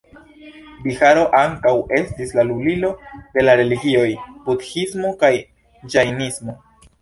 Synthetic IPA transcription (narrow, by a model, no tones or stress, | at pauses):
bixaɾo̞ʔaŋkawʔe̞stislalulilo̞d̥e̞laɾe̞liɡio̞jbutxismo̞kaj | d͡ʒajnismo̞